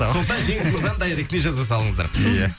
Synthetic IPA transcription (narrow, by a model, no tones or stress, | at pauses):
sot̪ɑnʒe̞ŋɪlkʰuɾzɑnd̪ɑjɾek̚t̪eʒɑzɑs̬ɑlˠəɴəzd̪ɑ̰ɾjæ